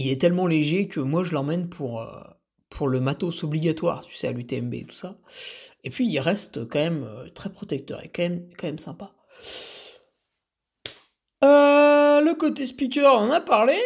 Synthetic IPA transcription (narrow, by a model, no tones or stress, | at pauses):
ilɛt̪ɛlmɑ̃leʒekʰʲəmwaʒəlɑ̃mɛnpʰuʁø̰ | pʰuʁləmat̪osɔbliɡʲat̪wa̰ʁt̪y̥sɛa̰lyt̪eɛmbḛḛt̪u̥sa | epɥiːlʁɛst̪kɑ̃mɛmøt̪χɛpχɔt̪ɛk̚t̪œ̰ʁḛkɑ̃mɛmkɑ̃mɛmsɛ̃pa | øləkot̪espik̬ʲœʁnnapaʁle